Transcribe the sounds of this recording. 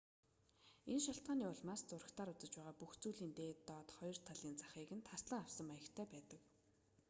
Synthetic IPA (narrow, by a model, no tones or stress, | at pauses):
enʃaɬt̪̚ɢaːniːʊɮmaːst͡sʊrə̆kt̪ʰaːɾʊt͡sə̆t͡ɕpæːʁaːpuxt͡suːɮiːnt̪eːt̪ːɔːt̪χɔjɞ̆r̥t̪ʰaɮiːnt͡sḁχiːkɘ̆nt̪ʰasɮə̆ŋawsə̆majə̆kt̪ʰæːpæːt̪ə̆k